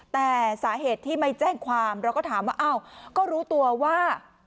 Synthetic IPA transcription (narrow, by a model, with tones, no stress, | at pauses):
t̪ɛː˨˩saː˩˦ɦeː˨˩t̪ʰːiː˥˩ma˥˩jt͡ɕɛː˥˩ŋkʰwaː˧mɾɛ˦˥kɔː˥˩t̪ʰaː˩˦mwaː˥˩ʔa˧˥˩wkɔː˥˩ɾuː˦˥t̪u˧ɐwaː˥˩